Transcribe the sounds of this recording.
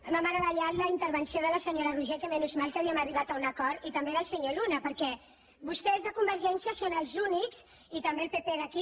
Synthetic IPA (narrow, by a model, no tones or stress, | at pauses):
məməɾəβəʎat̪ləint̪əɾβənsioðələsəɲoɾəruʒekəmɛnuzmalkaβiəməriβat̪əunɐkɔɾit̪əmbeðəlˠsəɲolunəpəɾkɛ | βust̪ɛzðəkumbəɾʒɛnsjəsonəlˠzunikz | it̪əmbelˠpepeðəki